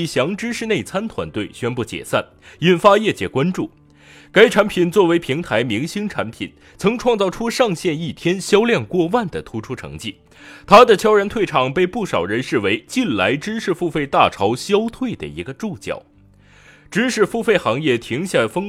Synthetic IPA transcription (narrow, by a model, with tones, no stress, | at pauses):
ɕjɑ˧˥ŋʈ͡ʂɻ̩˥ʂɻ̩˥˧ne˥˩ɪt͡sʰa˥nt̪ʰwa̰˧˥nt̪we˥˩ɪɕɥɛ˥npu˥˩t͡ɕjɛ̰˨˩sa˥˩n | i˨˩nfa˥jɛ˥˩t͡ɕjɛ̰˨˩kwa˥nʈ͡ʂu˥˩ | ka˥ɪʈ͡ʂʰa˧˥npʰi˨˩nt͡swɔ˥˩we˧˥ɪpʰi˧˥ŋt̪ʰa˧˥ɪmi˧˥ŋɕi˥ŋʈ͡ʂʰa̰˧˥npʰḭ˨˩n | t͡sʰɤ˧˥ŋʈ͡ʂʰwɑ˥˧ŋt͡sɑ˥˩ʊʈ͡ʂʰu˥ʂɑ˥˧ŋɕjɛ˥˧ni˥˩t̪ʰjɛ˥nɕjɑ˥ʊljɛ˥˧nkwɔ˥˧wa˥˩nd̪ə˩t̪ʰu˥ʈ͡ʂʰu˥ʈ͡ʂʰɤ̰˧˥ŋt͡ɕi˥˩ | t̪ʰa˥d̪ə˨t͡ɕʰjɑ˥ʊɻa˧˥nt̪ʰwe˥˩ɪʈ͡ʂʰɑ˨˩ŋpe˥˧ɪpu˥˩ʂɑ˨˩ʊɻə˧˥nʂɻ̩˥˩we˧˥ɪt͡ɕi˥˩nla˧˥ɪʈ͡ʂɻ̩˥ʂɻ̩˥˧fu˥˧fe˥˧ɪt̪a˥˩ʈ͡ʂʰɑ˧˥ʊɕjɑ˥ʊt̪ʰwe˥˩ɪd̪ə̰˩i˧˥ɡə˧ʈ͡ʂu˥˩t͡ɕjɑ̰˨˩˦ʊ | ʈ͡ʂɻ̩˥ʂɻ̩˥˧fu˥˧fe˥˩ɪxɑ˧˥ŋjɛ˥˩t̪ʰi˧˥ŋɕja˥˩fɤ˥ŋ